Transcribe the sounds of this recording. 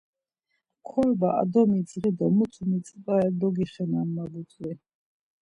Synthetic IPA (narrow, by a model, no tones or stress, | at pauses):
kʰɔlbaʔa̰d̪ɔmid̪sʁid̪ɔmusʰumit͡s̪ʼbʼaɛd̪ɔɡiχɛnamːabut͡sʼvi